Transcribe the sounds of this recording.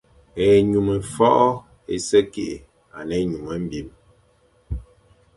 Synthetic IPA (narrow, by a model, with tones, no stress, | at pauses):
e˨ɲu˨mə˨fɔ˦ʔɔ˦ | ḛ˨sə˦ke˦˨ʔḛ˨ | a̰˨nɛ˨˦ɲu˨mə˨˦m̩˦bi˦m